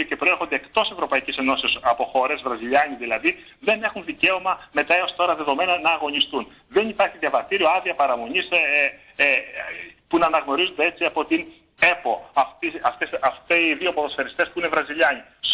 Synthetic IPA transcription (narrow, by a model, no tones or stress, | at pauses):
oce̞pɾo̞exond̪e̞ːkt̪o̞sie̞vɾo̞pɐicise̞no̞sisɐpo̞xo̞ɾe̞zvɾɐziʎɐɲiðilɐði | ðe̞ne̞xunðice̞o̞mɐme̞t̪ɐe̞o̞st̪o̞ɾɐðe̞ðo̞me̞nɐnɐːɣo̞ɲist̪un | ðe̞nipɐɾçiðjɐvɐst̪iɾioɐðiɐpɐɾɐmo̞ɲis | punɐːnɐɣno̞ɾizod̪ee̞t͡siɐpo̞t̪in | e̞po̞ɐft̪iɐft̪esɐft̪eðiopoðosfeɾist̪e̞spuine̞vɾɐziʎɐɲi | s